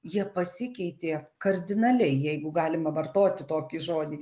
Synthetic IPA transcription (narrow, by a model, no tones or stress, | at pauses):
jiɛpɐsʲɪkʲɛɪt̪ʲeːkɐrʲd̪ʲɪnɐlʲɛɪjɛɪɡʊɡɑːlʲɪmɐʋɐrt̪oːt̪ʲɪt̪oːkʲɪʒoːd̪ʲiː